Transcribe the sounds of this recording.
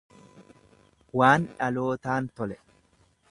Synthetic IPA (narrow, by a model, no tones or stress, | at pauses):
waːnᶑɐlo̞ːt̪aːnt̪ɔlɛ